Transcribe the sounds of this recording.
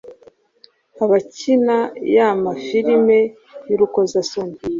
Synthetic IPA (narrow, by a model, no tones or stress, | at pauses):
aβacinajamafiɾime̞ | juɾukozason